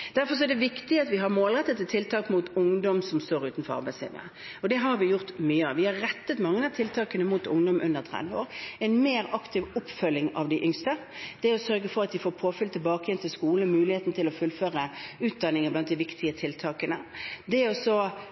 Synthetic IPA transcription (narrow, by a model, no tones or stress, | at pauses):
d̪̥æɾfɔɾs̬ɔɛd̪ɛʋɪkt̪ɪɑt̪ʋɪɦɑɾmoːlʁɛt̪ːət̪ət̪ʰːɪlt̪ʰɑːkmut̪ʊŋd̪ɔmsɔmst̪oːɾʉːt̪n̩fɔɾɑ̰ɾbæɪslḭːʋə̰ə | ɔd̪ɛɦɑɾʋɪjʊɾt̪myːəɑʋɪhɑɾɾɛt̪ːət̪mɑŋːənɛt̪ʰɪlt̪ʰɑːkənəmuːt̪ʊŋd̪ɔmʔʉnd̪əɾt̪ʰɾɛ̰d̪ʋəoːɾɛɪnmeːɾɑkt̪ʰɪʋɔpːfœlːɪŋɑ̰ʋd̪ɪʔʏŋst̪ə | d̪̥ɛɔsœɾɡəfɔɾɑt̪d̪ɪfoːɾpʰoːfʏlt̪ʰɪlbɑːkəjɛnt̪ʰɪlskuːləmʉːlɪheːt̪n̩t̪ɪlɔfʉlːføːɾəʉːt̪̚d̪ɑnːɪŋəblɑnt̪̚d̪ɪʋɪkt̪ʰɪət̪ʰɪlt̪ʰɑːkənəd̪ɛɔsɔ